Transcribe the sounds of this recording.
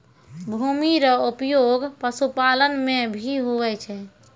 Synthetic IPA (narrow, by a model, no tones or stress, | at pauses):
bʱumiɾəupjoɡpəsupalənmebʱiɦuʋɛt͡ʃʰɛ